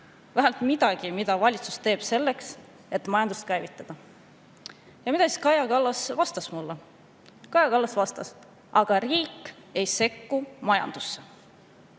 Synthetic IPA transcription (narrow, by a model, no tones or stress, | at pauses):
væɦælt̪mid̪̥ɑɡ̥imid̪̥ɑvɑlʲit̪su̥st̪e̞ːb̥se̞lːe̞ks | e̞t̪ːmɑjɑnd̪ust̪̚kæjvit̪ˑːɑd̪̥ɑ | jɑmid̪ɑsi̥skɑjɑkɑlːɑsvɑst̪ɑsmulːɑ | kɑjɑkɑlːɑsvɑst̪ɑs | ʔɑɡ̥ɑriːkːˑe̞jse̞kːumɑjɑ̰nd̪̥usːe